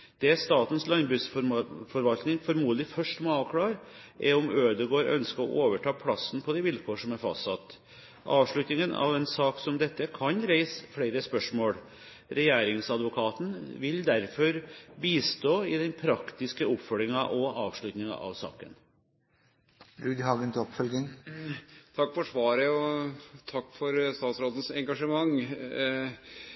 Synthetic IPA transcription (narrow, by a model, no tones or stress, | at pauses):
d̪̥ɛst̪ɑːt̪n̩slɑnbʉːsfɔɾʋɑlt̪nɪŋfɔɾmuːd̪əlɪfœʂʈmɔɑʋkʰlɑːɾ | ʔɛɾɔmøːd̪əɡoːəɾʔœ̰nskəɔ̰ʔoːʋəʈʰɑːpʰlɑsːən̩pʰɔd̪ɪʋɪlkʰoːʂɔmæɾfɑ̰st̪ɑt̪ː | ʔɑːʋʂɭʉt̪nɪŋənʔɑ̰ʋɛnsɑːksɔmd̪ɛt̪ːəkʰɑnɾæɪsfɽeɪɾəspœʂmoːɽ | ɾɛjæːɾɪŋsɑd̪ʋʊkʰɑːt̪n̩ʋɪld̪æɾfɔɾbiːst̪oːɪd̪ɛnpʰɾɑkt̪ɪskəʊpfœɾɾɪŋɑʔɔɑːʋʂɭʉt̪nɪŋɑ̰ʔɑ̰ʋsɑ̰ːkə̰n | ɾʉːd̪hɑːɡənt̪ʰɔpfœlɡɪŋ | t̪ʰɑkːfɔʂʋɑːɾəɔt̪ʰɑkːfɔɾst̪ɑːt̪sɾoːd̪ən̩sɛŋɡɑʂəmɑŋ